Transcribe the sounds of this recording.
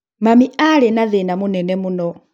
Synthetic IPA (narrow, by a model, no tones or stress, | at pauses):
mamiʔalɛnaðɛnamunɛnɛmunɔ